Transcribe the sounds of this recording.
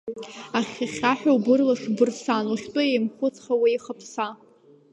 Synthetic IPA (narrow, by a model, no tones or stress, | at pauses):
aχʲaχʲaħᶣawbɨrlaʂbɨrsanuχʲtʷʼʊjejmχʷʊt͡sʰʼχawiiχapʰsa